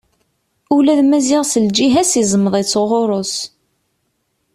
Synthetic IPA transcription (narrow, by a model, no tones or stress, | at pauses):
ulæðmæziʁsəld͡ʒiɦæsizˤəməðˤit͡sːoʁoɾˤos